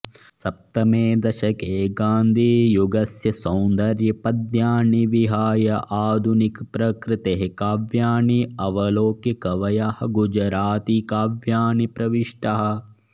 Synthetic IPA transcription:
sɐp̚t̪ɐmeːd̪ɐʃɐkeːɡaːnd̪ʱiːjuɡɐsjɐsɐwnd̪ɐɾjɐpɐd̪jaːɳiʋiɦaːjɐʔaːd̪ʱunikpɾɐkɾɪt̪eɦekaːʋjaːɳiɐʋɐloːkjɐkɐʋɐjahɐɡud͡ʒɾaːt̪ikaːʋjaːɳipɾɐʋiʂʈɐɦɐ̆

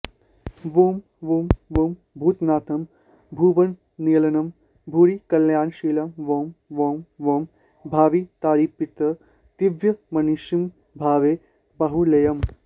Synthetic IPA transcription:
ʋom | ʋoːmʋoːm | bʱuːt̪naːt̪ʰɐm | bʱuːʋɐn | niːlɐnɐm | bʱuːɾikɐljaːnʃiːlɐmʋoːmʋoːmʋom | bʱaːʋit̪aːɾiːpːit̪ɐ | t̪iʋjɐmɐnuʃim | bʱaːʋeː | bɐɦulɐjɐm

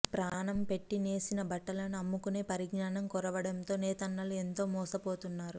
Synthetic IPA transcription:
pɾaːnɐmpe̞ʈːine̞ːsinɐbɐʈːɐlɐnɐmːukune̞ːpɐɾiɡnaːnɐmkɔɾɐʋɐɽɐnt̪o̞ːnɛːt̪ɐnːɐlue̞nt̪o̞ːmɔːsɐpo̞ːt̪unːaːɾu

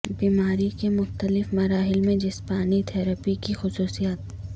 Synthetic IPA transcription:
biːmaːɾikemʊxt̪əlɪfmɐɾaːɦɪlmẽd͡ʒɪspaːnit̪ʰɛːɾəpikixʊsuːsijaːt̪̚

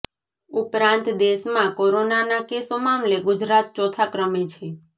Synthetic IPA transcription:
upɾãnt̪d̪eʃmãkoɾonanakesomamleɡʊd͡ʒɾat̪̚t͡ʃɔt̪ʰakɾəmet͡ʃʰe

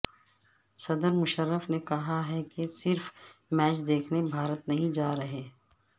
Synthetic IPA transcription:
sɐd̪əɾmʊʃəɾːəfnekɐɦaɦɛkesɪɾfmɛːt͡ʃd̪eːkʰnebʱaːɾət̪nɐɦĩd͡ʒaːɾɐɦeː

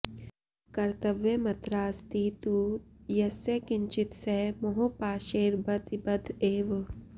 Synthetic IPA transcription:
kɐɾt̪ɐʋjɐmɐt̪ɾaːst̪it̪ujɐsekɪɲt͡ʃit̪semoɦopaːʃeːɾbɐd̪bɐd̪ʱeːʋ

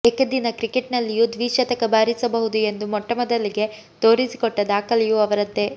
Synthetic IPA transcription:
ekɐd̪inɐkɾikeʈnɐlːijud̪ʋiːʃɐt̪ɐkɐbaːɾisɐbɐɦud̪ue̞nd̪umɔʈːɐmɐd̪ɐlːiɡe̞ | t̪o̞ːɾisi̥koʈːɐd̪aːkɐlijuɐʋɐɾɐt̪ːe̞

